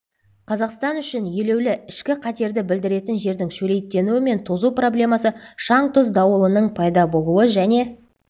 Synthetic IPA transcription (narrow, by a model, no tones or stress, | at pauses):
qʰɑzɑqst̪ɑnʏʃɪnjele̞wlɪɪʃkʲɪqʰɑt̪e̞ɾd̪ɪbɪld̪ɪɾe̞t̪ɪnʒe̞ɾd̪ɪŋʃɵle̞jt̪ːe̞nuwɪme̞nt̪ʰozupro̞blʲe̞mɑsəʃɑɴt̪ʰʊzd̪ɑwəlˠənəɴpʰɑjd̪ɑbo̞lˠuəʒæne̞